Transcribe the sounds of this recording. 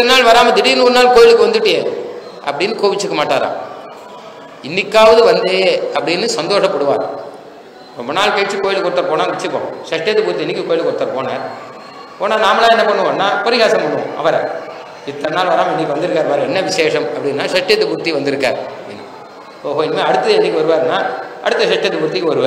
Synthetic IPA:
ɪɐnːaːlʋɐɾaːmɐd̪ɪɽinuːɾɯnaːlkoːjɪlɯkːɯʋɐnd̪ɯʈːɯjeː | ʔɐ̰pːɐɽɪnːɯkoːʋɪt͡ʃːɯkːɐmaːʈːaːɾã̰ː | ɪnːɪkːaːʋɐðɯʋɐnd̪eːɐpːɐɽɪnːɯsɐnd̪oːʂɐpːɐɽɯʋaːɾ | ɾɔmbɐnaːlkɐjʈt͡ʃːɯkoːjɪlɯkːɔɾɯt̪ːɐɾpoːnaːʋɛt͡ʃːɯpːo̰ːsɐʂʈːjɐt̪ːɯkʊɾt̪ːiɛnːɪkːɯkoːjɪlkːɔɽɯt̪ːɐpoːna̰ːɾ | poːnaːnaːmɐlãːɛnːɐpɐɳːɯnːaːpɐɾɪɣaːsɐmɐɳːɯ̰̃ɐ̰ʋɐɾɛ̰ | ɪt̪ːɐnaːlʋɐɾaːmɛnːɪkːɯʋɐnd̪ɯɾɯkːaːɾʋɐɾɛnːɐʋɪʂeːʂɐmɐpːɐɽɪnːaːʂɐʂʈːɐt̪ːɯkʊɾɯt̪ːiʋɐnd̪ɪɾɯkːa̰ːɾɐpːɐɽɪnːɯ̰ | oːɦoːɪnːmeːɐɽɯt̪ːɐðɛnːɪkːɯʋɐɾɯʋaːɾnːaːʔɐ̰ɽɯt̪ːɐsɛʈːɐt̪ːɯkʊɾt̪ːɪkːɯʋɐɾɯʋaː

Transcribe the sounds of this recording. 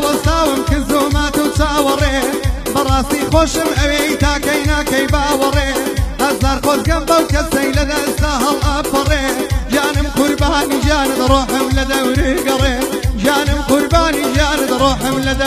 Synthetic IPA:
wɐst̪aːwɨmkɪzʊhmaːt̪ɨwt͡ʃaːwɐreːbɐrˤɑːst̪iːxoːʃɨmɐweːit̪aːkɐjnaːkɐjbɐwɐrˤeːhɐzaːɾxoːt̪ɡɐmbɐwkɐɐjlɐd̪aʔɨst̪aːɦɐlʔɐfɐrˤeːʒaːnɨmqʊɾbaːnid͡ʒaːnɨt̪rˤoːħɨmlɐd̪ɐwɾiɡɐrˤeːʒaːnɨmqʊɾbaːniːʒaːnɨt̪roːħɨmlɐd̪ɐ

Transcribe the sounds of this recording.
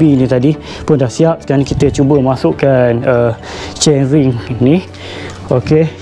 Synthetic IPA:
inĩt̪adi | pʊndahsiap̚skaankit̪ət͡ʃubəmasʊʔkanə | t͡ʃɛnɾiŋni | oke

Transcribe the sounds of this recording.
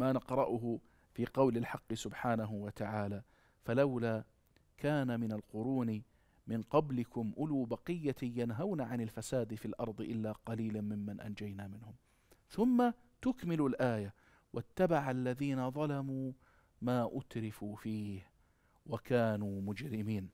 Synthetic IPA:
maːnɑqɾˤɑʔʊɦʊ | fiːqɑwlɪlħɑqːɨsʊbħaːnaɦʊwat̪aʕaːlaː | falawlaː | kʰaːnamɪnalqʊɾuːni | mɪnqɑblɪkʊmʔʊluːbɑqɪjːajanɦawnaʕanɪlfasaːd̪filʔɑɾˤd̪ˤɨʔɪlːaqɑliːlamɪmːanʔa̰nd͡ʒajnamɪnhʊm | θʊmːa | t̪ʊkmɪlʊlʔaːja | wʔat̪ːabaʕalːaðiːnaðˤɑlamuː | maːʔʊt̪ɾɪfufiːh | wakaːnuːmʊd͡ʒɾɪmiːn

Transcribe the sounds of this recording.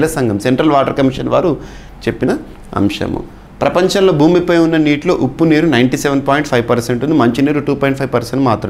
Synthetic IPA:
lɐsɐŋɡɐmse̞ɳʈɾɐlʋaːʈɐɾkɐmiʂɐnʋa̰ːɾu | t͡ʃe̞pːinɐ | ɐ̰mʂɐ̰mṵ | pɾɐpɐɲt͡ʃɐnlo̞ːbʱuːmipɐjunːɐniːʈlo̞ːʔupːuniːɾunɐjɳʈiseʋɐnpaːjɳʈpʰɐjʋpɐɾseɳʈund̪imɐɲt͡ʃiniːɾuʈuːpɔːjiɳʈpʰɐjʋpɐɾseɳʈmaːt̪ɾɐ

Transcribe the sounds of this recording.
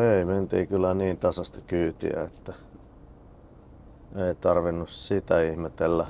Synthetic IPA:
eiment̪iːkylːæniːnt̪ɑsɑst̪ɑkyːt̪ḭæ̰et̪ːæ | eit̪ɑrʋinːussit̪æihmet̪elːæ

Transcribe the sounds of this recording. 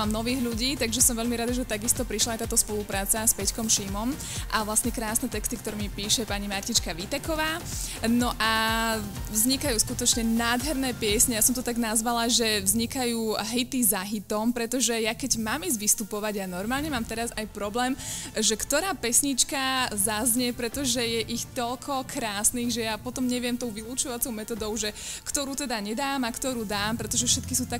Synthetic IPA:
amnɔʋiːɣʎuɟiːt̪aɡʒɛsɔmʋɛʎmiɾad̪aʒɛt̪aɡist̪ɔpɾiʃlajt̪aːt̪ɔspɔlupɾaːt͡saspɛckɔmʃimɔm | ʔaʋlasɲɛkɾaːsnɛt̪ɛkst̪ikt̪ɔɾɛmipiːʃɛpaɲimaɾcit͡ʃkaʋit̪ɛkɔʋaː | nɔʔa | vzɲikajuːskut̪ɔt͡ʃɲɛnaːd̪ɦɛɾnɛːpɪɛsɲɛjasɔmt̪ɔt̪aɡnazʋalaʒɛvzɲikajuːɦit̪izaɦit̪ɔmpɾɛt̪ɔʒɛjakɛɟmaːmizʋist̪upɔʋaɟanɔɾmaːlɲɛmaːmt̪ɛɾazajpɾɔblɛːmʒɛkt̪ɔɾaːpɛsɲit͡ʃkazazɲɪɛpɾɛt̪ɔʒɛjɛʔixt̪ɔlkʰɔkɾaːsniːɣʒɛjapɔt̪ɔmɲɛʋɪɛmt̪ɔʊʋiluːt͡ʃɔʋat͡sɔʊmɛt̪ɔd̪ɔʊʒɛkt̪ɔɾuːt̪ɛd̪aɲɛd̪aːmakt̪ɔɾuːd̪aːmpɾɛt̪ɔʒɛfʃɛt̪kisuːt̪ak

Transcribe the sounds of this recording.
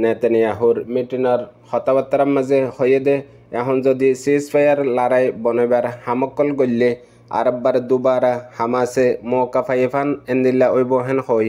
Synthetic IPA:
nɛt̪ɛnjaɦuɾmiʈinɔɾxɔt̪abat̪ːaɾammazɛhojed̪ɛː | ɦɔnzɔd̪isispʰajaɾlaɾajbɔnɔjbaɾhamɔkːɔlɡolːe | a̰ɾɔbːaɾd̪ubaɾahamasɛmɔkapʰajepʰanɛnd̪ilːaʔojbɔɦɛnxoj

